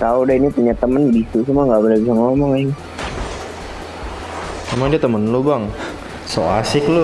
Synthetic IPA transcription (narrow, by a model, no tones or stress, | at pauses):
t̪audainipuɲat̪əmənbisusumaŋɡabəlabisaŋɔmɔŋɪŋ | mamaŋdiat̪əmənlobaŋ | soasɪklo